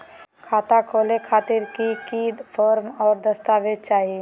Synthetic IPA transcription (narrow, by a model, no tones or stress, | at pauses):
kʰaːt̪akʰoːlekʰaːt̪ɪɾkikid̪pʰɔːɾmɔːɾd̪ɐst̪aːʋed̪t͡ʃaːɦi